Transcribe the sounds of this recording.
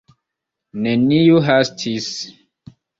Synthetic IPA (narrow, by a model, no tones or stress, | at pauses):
nenijuɦastʰis